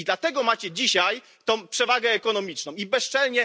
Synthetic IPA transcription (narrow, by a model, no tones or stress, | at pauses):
d̪lat̪ɛɡɔmat͡ɕɛd͡ʑiɕaj | t̪ɔ̃w̃pʂɛvaɡɛːkɔn̪ɔmʲit͡ʂnɔ̃w̃ibɛst͡ʂɛlɲɛ